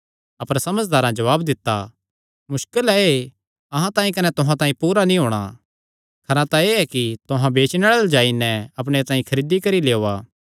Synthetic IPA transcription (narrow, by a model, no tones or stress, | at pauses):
ɐpəɾsɐməd͡ʒd̪aːɾãd͡ʒɐʋaːbd̪ɪt̪ːa̰ | mʊʃkəlɛe | ɐɦãt̪ãːĩkɐnɛt̪ʊɦãt̪ãːĩpuːɾanĩɦoːɽ̃a̰ | kʰɐɾãt̪aeːɛkit̪ʊɦãbeːt͡ʃneɭald͡ʒaːinɛ̃ɐp̬ɽ̃et̪ãːĩkʰɐɾiːd̪ikɐɾiljeoːaː